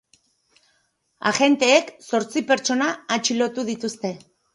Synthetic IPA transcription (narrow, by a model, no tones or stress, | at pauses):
a̰ɣe̞nt̪e̞ːkso̞ɾt͡sipe̞ɾt͡ʃo̞naːt͡ʃilo̞t̪uðit̪ust̪e̞